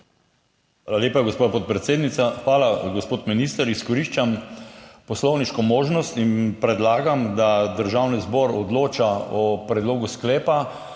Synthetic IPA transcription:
xʋʋaːlaleːpaɡospapɔt̪̚pɾɛt̪seːd̪nit̪saxʋaːlaɡospoːt̪miniːst̪əɾiskɔɾiʃt͡ʃam | pɔslɔwniʃkɔmoːʒnɔst̪inpɾɛd̪laːɡamd̪ad̪əɾʒawnizbɔɾɔd̪loːt͡ʃaɔpɾɛd̪loːɡusklɛːpa

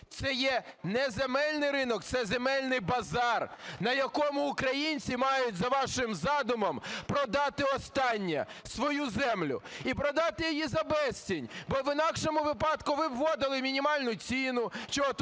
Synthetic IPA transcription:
t̪sɛjɛnɛzemɛlʲnɪjɾɪnɔk̚t̪sɛzemɛlʲnɪjbɐzɑrnɐjɐkɔmʊːkɾɐjinʲt͡sʲimɑjʊtʲzɐʋɑʃɪmzɑd̪ʊmɐmpɾɔd̪ɑt̪ɪɔst̪ɑnʲːɐ̰ | sʋɔjuzɛmlʲʊ̰ipɾɔd̪ɑt̪ɪjijizɐbɛsʲtʲinʲbɔʋɪnɑkʃɔmʊʋɪpɑd̪kʊʋɪʋːɔd̪ɪlˠɪmʲinʲimɑlʲnʊt͡sʲinʊʃt͡ʃɔɔt̪

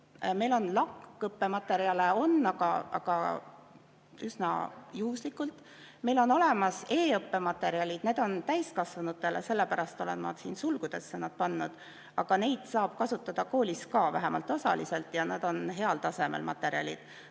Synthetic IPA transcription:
me̞jlo̞nlɑkːɤpːe̞mɑt̪ːˑe̞ɾiɑleo̞nːɑɡ̥ɑ̰ɑ̰ɡ̥ɑ̰ | ysnɑ̰juːslikːˑult̪ˑ | me̞jlo̞no̞le̞mɑse̞ːɤpːe̞mɑt̪ːe̞ɾiɑlʲid̪̥ne̞ːd̪̥o̞nt̪æjskɑsvɑnut̪ːˑe̞le̞se̞lːepæɾɑst̪o̞lḛnmːɑ̰ːd̪siːnsulɡ̥ud̪̥e̞sːenːɑd̪̥̚pɑnːud̪̥ | ɑɡ̥ɑne̞jd̪̥sɑːb̥kɑsut̪ːˑɑd̪̥ɑko̞ːlʲiskɑːvæɦemʔɑ̰lt̪ːˑo̞sɑ̰lḭse̞lt̪ˑjɑnɑd̪̥o̞nɦe̞ɑlt̪ɑse̞mḛlmʔɑ̰t̪ːˑe̞ɾiɑ̰lʲḭd̪̥

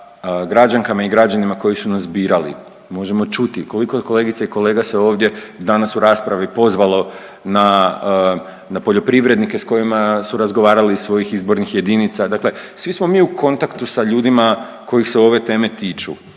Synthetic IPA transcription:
ɡɾad͡ʒaŋkamaiɡɾad͡ʒanimako̞jisunasbiːɾalḭ | mo̞ʒe̞mo̞t͡ʃut̪iko̞likoko̞le̞ːɡit̪saiko̞le̞ːɡaseo̞ːʋd̪je̞d̪anasuɾaːspɾaʋiipo̞zʋalo̞ | na | napo̞ʎo̞pɾiʋɾe̞d̪nike̞sko̞jimasuɾazɡo̞ʋaːɾalisʋo̞jixizbo̞ɾnixje̞d̪init̪sad̪akle̞sʋismo̞miːukʰo̞nt̪akt̪usaʎuːd̪ima | ko̞jixse̞o̞ʋe̞t̪e̞ːme̞t̪iːt͡ʃu

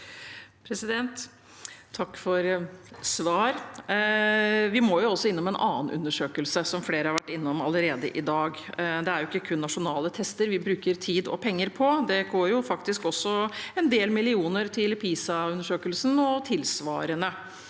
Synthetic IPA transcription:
pʰɾɛsɪd̪ɛnt̪ʰː | ɑkːfɔɾsʋɑːɾ | ʋɪmoːjʊɔsːɔɪnːɔmɛnʔɑ̰ːnʔʉ̰nːəʂøːkəlsəsɔmfleːɾəhɑɾʋæʈːɪnːɔmɑləɾeːd̪ə̰ʔɪd̪ɑːɡ | d̪ɛæɾjʊɪkːəkʰʉnːɑʂʊnɑːlət̪ʰɛst̪əɾʋɪbɾʉːkəɾt̪ʰiːd̪ɔ̰pʰɛŋːəɾpʰɔd̪ɛɡoːɾjʊfɑkt̪ɪskɔsːɔɛnd̪eːlmɪlɪuːnəɾt̪ʰɪlpʰiːsɑʉnəʂøːkəlsn̩ɔt̪ʰɪlsʋɑ̰ːɾənə

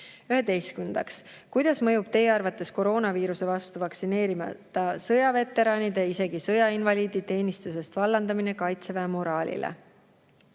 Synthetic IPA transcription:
yɦe̞d̪e̞jskund̪̥ɑks | kujd̪̥ɑsmɤjub̥t̪e̞jeɑrvɑt̪ːˑe̞sko̞ɾo̞ːnɑviːɾuse̞vɑst̪uvɑksine̞ːɾimɑ̰t̪ːˑɑsɤjɑve̞t̪ːˑe̞ɾɑːnʲid̪̥eise̞ɡ̥isɤjɑinvɑlʲiːd̪̥it̪e̞ːnist̪us̬e̞st̪vɑlːɑnd̪ɑmine̞kɑjt̪sevemo̞ɾɑːlʲḭlḛ

